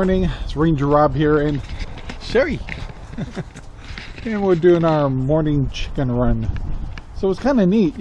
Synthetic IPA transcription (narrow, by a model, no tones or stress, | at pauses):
ɹnɪ̃ŋsɹẽɪ̃nd͡ʒə˞ɹɑbhiɹɨ̃nʃɛɹi | ɨ̃nwɪɹdʉɪ̃ŋaʊə˞mɔɹnɪ̃ŋt͡ʃʰɪ̥kɨ̃nɹʌ̃n | soʊwskʰãɪ̃ndɨnit̚